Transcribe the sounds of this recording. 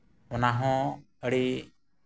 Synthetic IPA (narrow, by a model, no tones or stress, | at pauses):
ɔnaɦɔ̃ | əɽi